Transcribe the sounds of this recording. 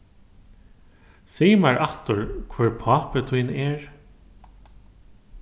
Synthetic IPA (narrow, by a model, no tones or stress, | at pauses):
siːmaɹaht̪ʊɹkʰvɛɹpʰɑːpət̪ʰijnɛːɹ